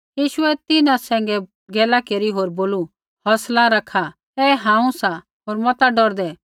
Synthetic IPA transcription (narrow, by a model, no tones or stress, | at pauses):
jiːʃʊɛt̪ɪnãsɛ̃ːŋɡɛ | ɡɛːlakeːɾiɦoːɾboːlu | hɔslãɾɐkʰa | t̪ɛɦãːũsã | ɦoːɾmɔt̪aɖɔɾd̪ɛ